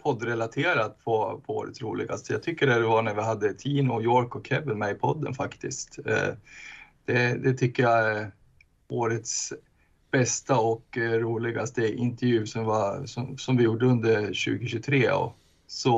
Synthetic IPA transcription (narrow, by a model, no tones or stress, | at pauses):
pʰɔd̪ːɾɛlat̪ʰeːɾat̪̚pʰɔpʰɔo̰ːɾə̰t̪sɾṵːlɪ̰ɡa̰st̪əjat̪ʰʏkːəɖɛd̪ɛvaɳæɾvɪɦad̪ːət̪ʰiːnʊjoːɾkɔkʰːɛbəlmɛɪpʰɔd̪ːə̰nfakt̪ɪskt̪ | d̪̥ɛd̪ɛt̪ʰʏkːəja | oːɾət̪s | b̥ɛst̪aɔkɾuːlɪɡast̪əʔɪnt̪ɛɾvjʉ̟ːsɔmvasɔsɔmvɪjuːɖəɵnd̪əɾɕʉ̟̰ːɡɪɕʉt̪ʰɾeːɔ̰ | sɔ